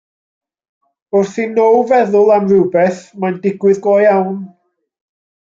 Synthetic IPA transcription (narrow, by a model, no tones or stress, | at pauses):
ʊrθinowvɛðʊlˠamrɪwbɛθmajndɪɡwɪðɡwɔjawn